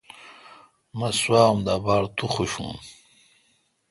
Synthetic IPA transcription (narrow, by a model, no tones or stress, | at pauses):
mɐswaːumd̪aːbaːɾt̪uχuɕṵːn